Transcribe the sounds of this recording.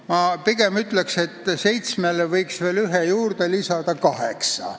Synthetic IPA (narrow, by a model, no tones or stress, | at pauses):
mɑpiɡ̥e̞myt̪ˑlekse̞t̪ːˑse̞jt̪smelevɤjksve̞ːlyɦejuːɾd̪̥e̞lisɑd̪̥ɑkɑheksɑ̰